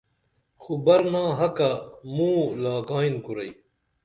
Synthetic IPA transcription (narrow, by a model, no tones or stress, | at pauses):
xubɐɾnaːɦɐkamũːlaːɡaːinkuɾɐij